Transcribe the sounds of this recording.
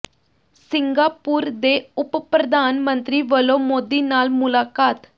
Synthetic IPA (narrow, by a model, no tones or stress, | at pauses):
siŋɡapuːɾd̪eupəpɾəd̪ʱanmənt̪ɾiːʋəlomod̪inaːlmulakaːt̪